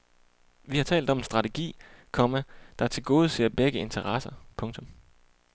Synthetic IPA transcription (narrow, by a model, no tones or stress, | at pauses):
ʋihɑ̈t͡sʰɛ̰ːld̥ɒ̽mensd̥ʁɑ̈t͡sʰeɡ̥ḭːkʰɒ̽mæd̥ɑæɐt͡sʰe̝lɡ̥o̝ːð̞̩ˠəse̝ɐ̰b̥eɡ̥əe̝nt͡sʰɐʁɑsɐpʰɔ̽ŋt͡sʰɔ̽m